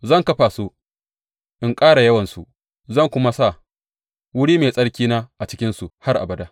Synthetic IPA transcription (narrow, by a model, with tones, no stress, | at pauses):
zɐ˦˨ŋkɐ˦ɸaː˨su˦ | ʔɪ˨ŋkʼaː˦ɽa˨jɐ˦wɐ˨nsu˨ | zɐ˦˨ŋkʷʊ˦ma˦sa˦˨ | wʊ˦ɽiː˦meː˨sʼɐ˦ɽkʲiː˦naː˦ʔa˨t͡ʃɪ˦kʲɪ˦nsu˨ha˦rʔa̰˨bɐ˨daː˦